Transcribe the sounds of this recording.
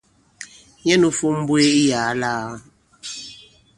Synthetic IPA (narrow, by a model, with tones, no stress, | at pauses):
jɛ˦nu˦fu˦m̩˦bwe˦i˦jaː˨˦la˦